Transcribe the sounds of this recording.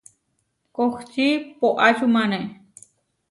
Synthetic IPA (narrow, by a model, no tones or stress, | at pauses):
koxt͡ʃipoʔat͡ʃumane